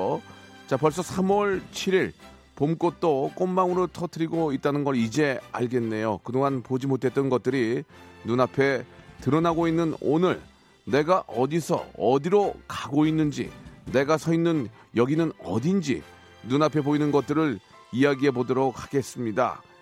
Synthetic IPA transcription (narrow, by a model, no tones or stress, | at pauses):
t͡ɕapʌɭs̬͈ʌsʰamuwʌɭt͡ɕʰiɾiɭ | pomk͈ot̚t͈ok͈ommaŋɯɾotʰʌtʰɯɾiɡoit̚t͈anɯnɡʌɾid͡ʑe̞a̰ɭɡe̞nːe̞jokɯdoŋɦanpod͡ʑimotʰe̞t͈̚ʌnɡʌt̚t͈ɯɾinunapʰe̞tɯɾʌnaɡoinːɯnonɯɭ | ne̞ɡaʔʌdisʰʌ̰ʌdiɾokaɡoinːɯnd͡ʑḭne̞ɡasʰʌinːɯn | jʌɡinɯnʌ̰dind͡ʑḭ | nunapʰe̞poinɯnɡʌt̚t͈ɯɾɯɭ | ijaɡiɦe̞podɯɾʌkaɡe̞s͈ɯmɲida̰